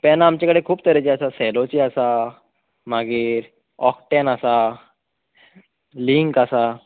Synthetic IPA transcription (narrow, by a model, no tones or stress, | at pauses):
pɛnaːmt͡ɕakəɽekʰuːp̚t̪əɾet͡ɕiasasɛlot͡ɕiasa | m̤aɡiːɾ | ɔkʈɛnasa | liŋkasa